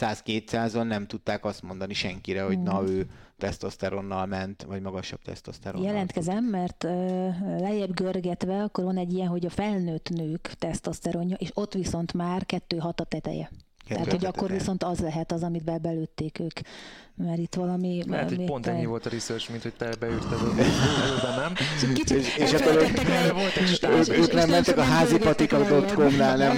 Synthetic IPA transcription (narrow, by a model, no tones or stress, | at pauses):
saːskeːt̪saːzonːɛmt̪ut̪ːaːkɒst̪mo̞nd̪ɒniʃɛŋkiɾɛho̞ɟnɒøːt̪ɛst̪ost̪ɛɾonːɒlmɛnt̪vɒɟmɒɡɒʃɒb̥̚t̪ɛ̰st̪ost̪ɛɾojɛlɛnt̪kɛzɛmːɛrt̪øːlɛjɛbɡørɡɛt̪ʋɛɒkːorʋɒnɛɟːijɛnɦo̞ɟɒfɛlnøːt̪nøːkt̪ɛst̪ost̪ɛɾo̞ɲːɒʔeːʃo̞t̪ːʋiso̞nt̪maːrkɛt̪ːøːɦɒt̪ɒt̪ɛt̪ɛ̰jɛ̰ | t̪ɛ̰ɦaːtt̪hoɟɒkkːo̞rʋiso̞nt̪ɒzlɛɦɛt̪ɒzɒmid̪bɛbɛløːt̪ːeːkøːkmɛɾit̪ːʋɒlɒmiɛ̰opont̪ɛɲːivo̞lt̪ɒɾisørt͡ʃminhoc̚t̪ɛbɛyrt̪ɛzɛløbɛnːɛmiʃeʃɛkːoɾøɛvolt̪øøːknɛmmɛnt̪ɛkɒɦaːzipɒt̪ikɒk̪okomnaːlnɛm